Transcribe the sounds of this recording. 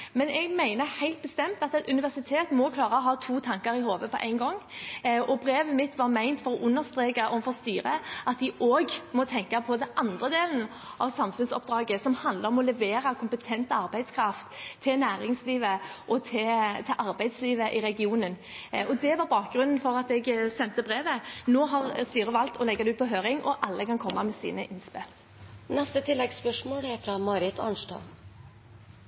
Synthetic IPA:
mɛnɛɡmæɪnəhæɪlt̪̚bəst̪ɛmt̪ɑt̪ɛt̪ʉnɪʋæʁsɪt̪ʰeːt̪mɔkʰlɑːɾəɔɦɑːt̪ʰuːt̪ʰɑŋkɑɾɪhoːʋəpʰɔʔæ̰ɪnɡɔŋːɔbɾeːʋəmɪt̪ʋɑɾmæɪnt̪fɔɾɔʔʉnːəʁst̪ʁeːkəʔɔfɔʁst̪yːɾəʔɑt̪ʋɪʔoːɡmɔt̪ʰɛŋkɑpʰɔd̪ɛnʔɑnd̪ʁəd̪eːln | ʔɑʋsɑmfʉnsɔ̰pd̪ɾɑːɡəsɔmhɑnd̪ləɾɔmɔlɛʋeːʁɑkʰʊmpət̪ʰɛnt̪ɑɾbæɪd̪skʰɾɑft̪ʰːɪlnæːɾɪŋsliːʋəʔɔt̪ʰɪlt̪ʰɪlʔɑɾbæɪd̪sliːʋəʔɪɾɛɡɪuːnən | ɔd̪ɛʋɑʁbɑːk̚ɡɾʉnn̩fɔɾɑt̪ɛɡsɛnt̪əbʁeːʋənoːɦɑʁst̪yːɾəʋɑlt̪ɔlɛɡːɑd̪ʉːpʰɔɦøːɾɪŋʔɔ̰ʔɑlːəkʰɑnkʰɔmːɑmɛsḭːnəʔɪnspɪl | nɛst̪ət̪ʰɪlːɛɡspœʂmoːlæɾfɾɑmɑːɾɪt̪ʰɑ̰nʂtɑ̰ː

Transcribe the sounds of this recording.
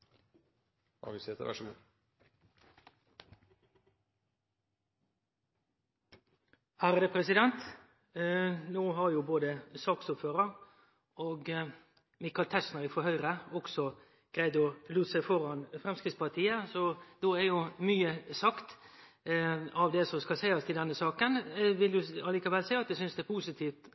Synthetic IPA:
ɑ̰ʋɪset̪ə̰ʋæ̰ʂɡṵː | hæɾəd̪əpʰɾɛsɪd̪ɛnt̪ | noːhɑɾjuːboːd̪əsɑːksʊpføːɾəʁ | oːɡ | mɪkɑlt̪ʰɛsnəɾɪfɔɾhœʏɾəɔksɔ | ɡ̥ɾæɪd̪ɔluːt̪sæɪfɔɾɑnfɾɛmskɾɪt̪spɑʁt̪ʰiːəsɔd̪oːæɾjʊmyːəsɑkt̪ | ɑʋd̪ɛsɔskɑlsæɪɑst̪ʰɪlɛnːəsɑːkənʋɪld̪ʉɑliːkɑʋɛlsæɪɑt̪d̪ɛsʏnsd̪ɛːpʰuːsɪt̪ʰiːft̪

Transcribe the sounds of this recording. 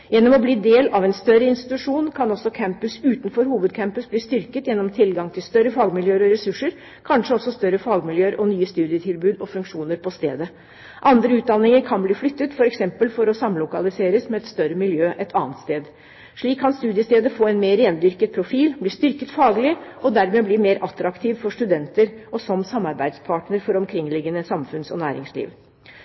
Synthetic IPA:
jɛnːɔmɔbliːd̪eːlɑʋɛnst̪œɾːəɪnst̪ɪt̪ʉʂuːnkʰɑnɔsːɔkʰæmpʉsʉːt̪nfɔɾhuːʋəd̪̚kʰæmpʉsbliːst̪ʏɾkət̪jɛnːɔmt̪ʰɪlɡɑŋt̪ʰɪlst̪œɾəfɑːɡmɪljøːɾɔɾɛsʉʂəɾ | kʰɑnʂəɔsːɔst̪œɾːəfɑːɡmɪljøːəɾʔɔnyːəst̪ʉːd̪ɪət̪ʰɪlbʉːd̪ɔfʉŋkʂuːnəɾpʰɔst̪ḛːd̪ə | ʔɑnd̪ɾəʉːt̪̚d̪ɑnːɪŋəɾkʰɑnbliːflʏt̪ːət̪fɔɾɛksɛmpəlfɔɾɔsɑmlʊkɑlɪseːɾəsmɛɛt̪st̪œɾəmɪljøːʔɛt̪ʰɑ̰ːnt̪st̪eːd̪ | ʂɭiːkʰːɑnst̪ʉːd̪ɪəst̪eːd̪əfoːɛɪnmeːɾeːnd̪ʏɾkət̪̚pʰɾʊfiːlbliːst̪ʏɾkət̪fɑːɡlɪʔɔd̪æɾmeːbliːmeːɾʔɑt̪ɾɑkt̪ʰiːʋfɔʂʈʉd̪ɛnt̪əɾʔɔsɔmsɑmɑɾbæɪd̪spʰɑːʈɳəɾfɔɾɔmkʰɾɪŋlɪɡːənəsɑmfʉnsɔ̰næːɾɪ̰ŋslḭːʋ

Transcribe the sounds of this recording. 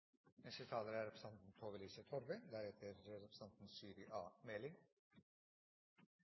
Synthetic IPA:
mɛʂət̪ʰɑːləɾæɾɛpɾə̥sɑnt̪n̩t̪ʰoːʋəliːsət̪ʰɔɾbəd̪æːɾhet̪ʰəɾɾɛpɾəsɑnt̪n̩syːɾɪʔɑːmɛlɪŋ

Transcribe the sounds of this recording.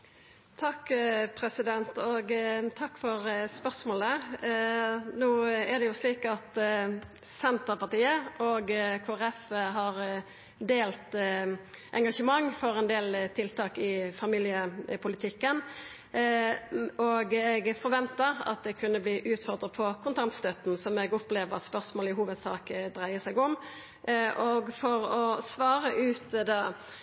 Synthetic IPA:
t̪ʰɑkːpʰɾɛsɪd̪ɛnt̪ɔɡt̪ʰɑkːfɔʁspœʁsmoːlə | nuːɛɾd̪ɛjʊsliːkɑt̪ | sɛnt̪əpɑt̪iːəʔɔɡkʰoːæʁɛfɦɑʁ | d̪eːlt̪ | ʔɛ̰ŋɡɑʂəmɑŋːfɔɾɛnd̪eːlt̪ʰɪlt̪ʰɑːkɪfɑmiːlɪəpʰʊlɪt̪ʰɪkːən | ɔɡɛɡfɔɾʁʋɛnt̪əʁɑ̰t̪̚d̪ɛkʰʉnːəbliːʔʉːt̪fɔʁd̪ʁəpʰɔkʰʊnt̪ʰɑnt̪st̪øt̪n̩sɔmɛɡɔpleːʋəʁɑ̰t̪spœʁsmoːlɪɦuːʋəd̪sɑ̰ːkd̪ʁæɪəsɛɡʊm | ʔɔɡfɔʁɔsʋɑːʁəʔʉːt̪d̪ɑː

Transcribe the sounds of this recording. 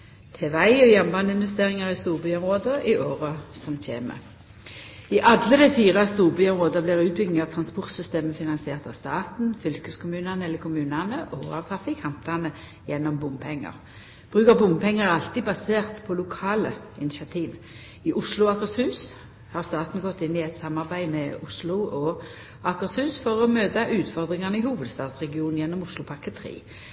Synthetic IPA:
t̪ʰɛʋæɪɔjɛnbɑnd̪ɪnʋɛst̪eːʁɪŋɑʁɪst̪uːʁbyɔmʁoːd̪əʔɪʔoːʁəsɔmc͡çʰḛːmə̰ | ɪʔɑd̪ləd̪ɛfiːʁəst̪uːʁbyːɔmʁoːd̪əblɪʁʉːt̪̚bʏɡnɪŋɑʋt̪ʰʁɑnspʊʁt̪sʏst̪eːməfɪnɑnsɪeːʁt̪ɑʋst̪ɑːt̪n̩fʏlkəskʰʊmʉːnənəɛlːəkʰʊmʉːnənəʔɔɑ̰ʋt̪ʰʁɑfɪkhɑmt̪ɑnə | jɛnːɔmbʊmpʰɛŋːə̰ʁ | b̥ʁʉːkəʁbʊmpʰɛŋːəʁɑlt̪iːbɑseːʁt̪pʰɔlʊkʰɑːlə̰ɪnɪsɪɑt̪ʰiːʋ | ɪʔʊslʊɑkəʁshʉːs | hɑʁst̪ɑːt̪n̩ɡɔt̪ːɪnːɪɛt̪sɑmːɑʁbæɪmɛʊslʊʔɔ | ɑkəʁshʉːsfɔʁɔmøːd̪ɑʔʉːt̪fɔʁd̪ʁɪŋɑnəɪhuːʋəd̪st̪ɑːt̪sʁɛɡɪuːn̩jɛnːɔmʊslʊpʰɑʁkət̪ʰʁḭː

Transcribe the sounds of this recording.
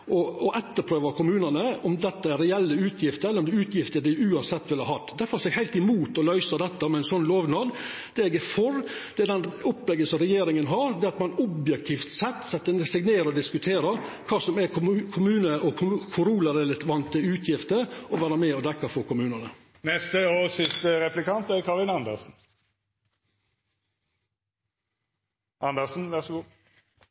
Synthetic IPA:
ɔɔʔɛt̪ːəɾpʰɾøːʋəkʰʊmʉːnənəɔmd̪ɛt̪ːəæɾɛɛlːəʉːt̪ʰjɪft̪əɾɛlːəɾɔmd̪ɛʉːt̪ʰjɪft̪əɖ̪ɪʉːɑnsɛt̪ːʋɪlhɑɾhɑt̪ːd̪ɛfɔɾsɛɡhæɪt̪ɪmuːt̪ɔlœʏsɑd̪ɛt̪ːəmɛɪnsɔnːloːʋnɑd̪ | d̪̥ɛɛɡɛfɔɾd̪̥ɛæd̪ɛnɔpːlɛɡːəsɔmɾɛjeːɾɪŋənɦɑɾd̪ɛːɑt̪mɑnɔbjɛk̚t̪ʰiːft̪sɛt̪ːsɛt̪ːənsɛɡneːɾɔd̪ɪskʉt̪ʰeːɾəkʰɑːsɔmɛkʰʊmʉːnəʔɔkʰʊɾuːləɾɛlɪt̪ʋɑnt̪ʰːɪʉːt̪ʰjɪft̪əɔʋæːɾəmɛːɔd̪ɛkːɑfɔɾkʊmʉːnənə | nɛst̪əoːsɪst̪əɾɛplɪkɑnt̪ækʰɑʁɪnɑnd̪əʁsn̩ | ʔɑnd̪əsn̩ʋæʁsɡu

